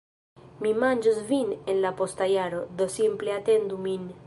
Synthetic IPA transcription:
mimanʲd͡ʒuzvinenlapost̪ajaɾod̪osimpleat̪end̪umin

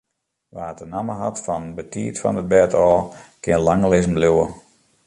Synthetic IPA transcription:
ʋaːətənaməɦatfɔnbətʰiːtfɔ̰nət̚bɛtʰɔːkʰɪənlaŋəlɪzəm̩bluwə

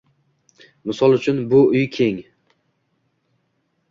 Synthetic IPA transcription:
mɪsɒlˠʊt͡ʃʰʊnbʊʊjkʲʰe̞ŋ

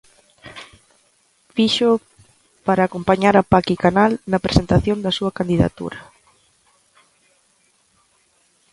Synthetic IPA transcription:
fiʃʊ | paɾaːkompaɲaɾɐpakikanalnɐpɾesent̪aθjond̪ɐsuɐkand̪iða̰t̪ṵɾɐ

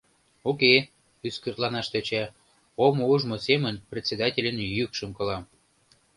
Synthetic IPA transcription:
oke | yskərt̪lɑnɑʃt̪et͡ɕæ | omouʒmosemənprʲet̪ʲsʲed̪ɑtʲelʲənjykʃəmkolɑm

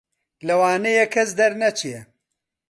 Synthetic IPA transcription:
lɐwaːnejɛkʰːɛsd̪ɐɾnɐt͡ʃʰijɛ

